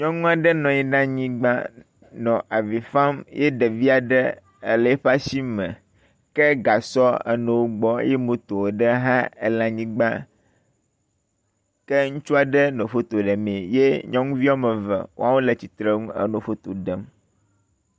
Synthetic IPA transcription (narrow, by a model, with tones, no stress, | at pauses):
ɲɔ̃˦ŋũ˦a˨ɖə˦nɔ̃˨ɲi˨ɖã˦ɲĩ˦ɡ͡ba˦ | nɔ̃˨ʔa˨vi˨fã˦mje˦ɖə˨vi˦a˨ɖə˦ | ə˨lɛ˨˦ɸa˦si˦mə̃˨ | kɛ˦ɡa˨sɔ˦ə̰˨nɛ̃˨wo˦ɡ͡bɔ˦je˦mõ˨t̪o˨wɖə˦ɦã˦ḛ˨lã˨ɲĩ˦ɡ͡ba˦ | kə˦ŋũ˦t͡ʃu˦a˨ɖə˦nõ˨ɸo˦t̪o˨ɖə˨mẽ˨je˦ɲɔ̃˦ŋũ˦vi˦ɔ˦mə̃˨və̰˨wʔo̰˦a˦wo˦lə˨t͡ɕi˨t̪ɾə˦ŋũ˦ə̰˨nõ˨fo˦t̪o˨ɖə˦m